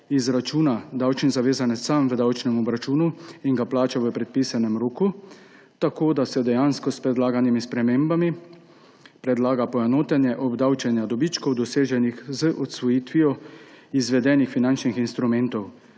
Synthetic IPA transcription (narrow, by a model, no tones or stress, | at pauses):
izɾat͡ʃuːnad̪awt͡ʃnzaʋeːzanɛssamʋəd̪awt͡ʃnɛmɔbɾat͡ʃuːnuiŋɡaplaːt͡ʃaʋəpɾɛt̪̚pisanɛmɾoːku | t̪akoːd̪asɛd̪ɛjaːnskɔspɾɛd̪laːɡanimispɾɛmeːmbami | pɾɛd̪laːɡapɔɛnoːt̪ɛnjɛʔɔbd̪awt͡ʃɛnjad̪ɔbit͡ʃkɔwd̪ɔseːʒɛnixzəʔɔt̪sʋɔjiːt̪ʋijɔ | izʋɛd̪ɛːnixfinant͡ʃnixinst̪ɾumɛnt̪ɔw